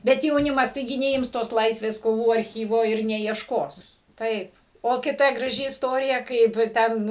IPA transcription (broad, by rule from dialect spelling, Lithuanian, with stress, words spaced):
ˈbʲɛt jɛʊˈnʲɪmɐs tɐɪˈɡʲɪ nʲɛˈɪms toːs ˈlˠɐɪsʲʋʲeːs koːˈʋuː ɐrʲˈxʲiːʋoː ɪr nʲɛɪɛʃˈkoːs ˈtɐɪp oː kʲɪˈtɐ ɡrɐˈʒʲɪ ɪsˈtoːrʲɪjɛ ˈkɐɪp ˈtʲɛn